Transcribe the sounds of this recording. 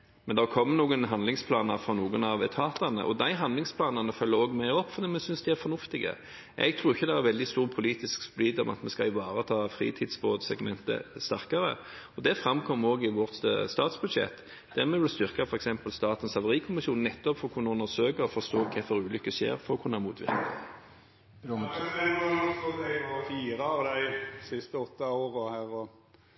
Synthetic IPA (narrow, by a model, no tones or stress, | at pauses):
mɛnd̪ɛækʰɔmːnuːɡənɦɑnd̪lɪŋspʰlɑːnəɾfɾɑnuːɡənɑʋt̪ʰɑːt̪ɑnə̰ʔɔd̪æɪɦɑnd̪lɪŋspʰlɑːnɑnəfœlːəɾoːɡmæɪɔpːfɔʁd̪iːmɛsʏnsd̪ɛæɾfɔʁnʊft̪ɪɡə̰ | ʔɛ̰ɡ̚t̪ʰɾuːɾɪçːəd̪ɛæɾʋɛld̪ɪst̪uːʁpʰʊliːt̪ɪskspliːd̪ɔmɑ̰t̪mɛskɑɪʋɑːɾət̪ʰɑːfɾḭːt̪ʰɪːd̪sboːd̪sɛɡmɛnt̪ə̰st̪æʁkɑɾə̰ | ɔd̪ɛfʁɑmkʰɔmːoːɡɪʋɔʁt̪st̪ɑːt̪sbʉd̪ʃɛ̰t̪ː | d̪̥æʁmɛʋɪlst̪ʏʁkɑfɔɾɛksɛmpəlst̪ɑːt̪ənsɑʋəʁiːkʰʊmɪsuːnɛt̪ːɔpfɔʁkʰʊnɑʉnəsøːkəʁɔfɔʁst̪oːkʰɛfœɾʉːlʏkːəʃḛːʁfɔʁɔkʰʊnːɑmuːt̪ʋɪ̰ʁknɪ | ɑɔɔd̪æɪʋɑfiːɾɑɑʋd̪æɪsɪst̪əɔt̪ːɑoːʁəhæːʁɔ